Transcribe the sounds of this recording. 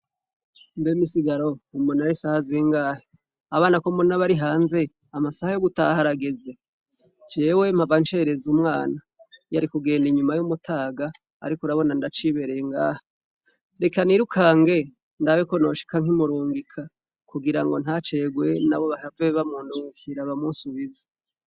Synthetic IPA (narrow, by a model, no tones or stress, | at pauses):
mbemisiɡaɾo̞umonaɾisahaziːŋɡaːhe | aβaːnakomunaβaɾiɦaːnze̞ | amasahajoɡutaːhaɾaɡeze̞ | d͡ʒe̞ːwe̞m̥havant͡ʃe̞ɾe̞zumŋaːna | jaɾikuɡe̞ːndiɲumajumutʰaːɡa̰ː | ɾikuɾaβo̞nandat͡ʃiβe̞ɾeŋɡa̰ːhḁ | ɾe̞kaniɾukʰaːŋɡe̞ | ndaweko̞no̞ʃi̥kʰaŋ̥imuɾuːŋɡikʰa | kuɡiɾaŋɡo̞n̥hat͡ʃe̞ɡwe̞naβo̞βaɾaveβamuːnduːŋɡikʰiɾaβamunsuβizḁ